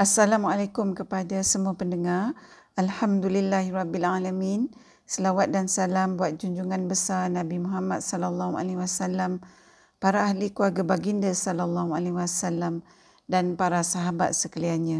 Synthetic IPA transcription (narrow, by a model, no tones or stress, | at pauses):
ʔasalamualakumkəpadasəmuapəndəŋar | alhamdulilːaɦiɾɑbːilalamĩn | səlawat̪̚dansalambuat̪̚d͡ʒuɲd͡ʒuŋãnbəsarnãbimũɦamat̪̚salalːahua̰liwasalam | paɾaahlikuaɡabaɡindasalalːaɦualeɦwasalːam | danpaɾasaɦaba̰t̪̚səkəlianɲã